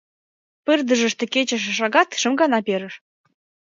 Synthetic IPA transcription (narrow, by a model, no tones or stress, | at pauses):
pərd̪ə̆ʒə̆ʃt̪ĕket͡ɕə̆ʃʃɑɣɑt̪ʃə̆mɡɑnɑpeɾə̆ʃ